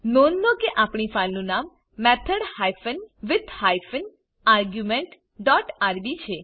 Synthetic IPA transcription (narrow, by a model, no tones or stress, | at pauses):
nonːokeʔapɽifalnũnamː | ɛt̪ʰəɽhajfənʋɪt̪ʰhajfən | aɾɡjumeɳʈ | ɖɔʈaɾbit͡ʃʰe